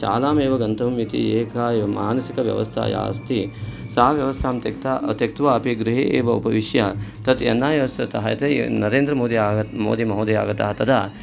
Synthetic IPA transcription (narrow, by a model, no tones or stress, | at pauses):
ʃa̰ːlaːmeːʋɐɡɐnt̪ʰɐmit̪ḭeːkʰaːmaːnɐsikɐʋjɐ̰ʋɐ̰st̪ʰa̰ːja̰ːst̪ʰisaɦɐʋjɐʋɐst̪ʰaːmt̪kt̪ːt̪jɐk̚t̪ʋaɐpiɡɾɪɦiʔeːʋɐṵpɐʋiʃjɐt̪ɐt̪jɐnːaːjɐʋsɐt̪ɐɦɐjɐt̪ɐjnɐɾeːnd̪ɾɐmoːd̪iaːmo̰ːd̪imɐɦoːd̪ija̰ːɡɐt̪a̰ːɦɐt̪ɐd̪aː